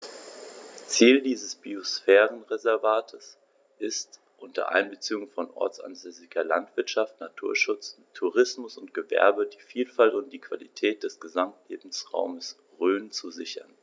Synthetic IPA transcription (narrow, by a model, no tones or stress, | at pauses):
t͡siːldiːzəsb̥iosfɛːʁənʁezɛɐvaːtʰəs | ʔɪst | ʔʊntʰɐ̰ʔa̰ɪnbət͡siːʊŋfɔnʔɔ̰ɐt͡sa̰nzøːzɪkɐla̰ntv̥ɪɐtʃaftnatʰuːɐʃʊt͡s | tʰuʁɪsmʊsʊnt̚ɡ̥əvɛ̰ɐbədiːfiːlfaltʊnt̚d̥iːkv̥alḭtʰɛːt̚d̥ɛsɡ̥əzamtleːbm̩sʁa̰ʊməs | ʁøːnt͡suzɪçɐ̰n